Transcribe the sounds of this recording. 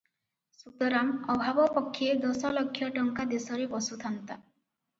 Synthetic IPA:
sut̪ɔɾamɔbʱabɔpɔkʰːjed̪ɔsɔlɔkʰːjɔʈɔŋkad̪esɔɾebɔsut̪ʰant̪a

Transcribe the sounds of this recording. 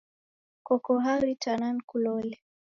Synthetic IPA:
kɔkɔɦaɾitanankulɔlɛ

